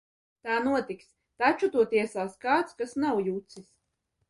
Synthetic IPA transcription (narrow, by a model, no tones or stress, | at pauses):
t̪aːnuɔt̪iks | t̪at͡ʃut̪uɔt̪iɛsaːskaːt̪skasnawjut̪sis